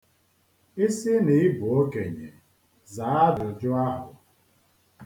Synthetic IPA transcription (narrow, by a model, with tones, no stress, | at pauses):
ɪ˦sɪ˦nɪ˨ɪ˦bʊ˨o˦ke˨ɲḛ˨ | za˨˦a˦dʊ˨d͡ʒʊ˦a˦ɦʊ˨